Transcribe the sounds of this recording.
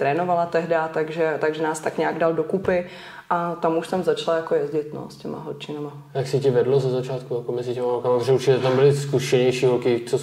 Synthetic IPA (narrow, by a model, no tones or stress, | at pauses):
t̪ɾɛːnovalat̪ɛɦdat̪aɡʒɛt̪aɡʒɛnaːst̪akɲaːɡdaldokupɪ | ʔat̪amuʃt̪amzat͡ʃlajakojɛzɟɪt̪no̰scɛma̰ɦot͡ʃɪnama | jaksɪcɪvɛdlozazat͡ʃaːt̪kujakomɛzɪcɛmaɦolkamapt̪oʒɛuɾt͡ʃɪcːɛt̪ambɪlɪskuʃɛɲɛjʃiːɦolkɪt͡so